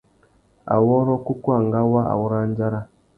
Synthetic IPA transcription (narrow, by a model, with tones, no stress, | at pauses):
a̰˨wɔ˦ɾɔ˦ku˦ku˦a˨ŋ˨ɡa˦wa˦ʔa̰˨wu˦ɾa˦n˦d͡ʒa˦ɾa˦